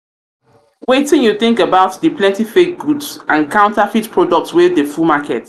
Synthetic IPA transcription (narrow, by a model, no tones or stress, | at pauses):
wetɪ̃njuθɪ̃ŋkəbaʊtðəplɛ̃ntifek̚ɡudsãnkʰãʊ̃ntafitpʰɹɔdɔk̚tswɪðəfumakʰɛt